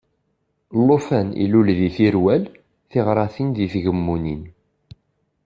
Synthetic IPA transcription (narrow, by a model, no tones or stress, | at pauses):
lˤːofænḭlulðiθiɾwæl | θiʁɾˤɑθinðiθʝəmːunin